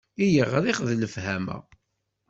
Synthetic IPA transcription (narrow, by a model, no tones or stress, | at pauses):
ijəʁɾiχðləfhæmæ̰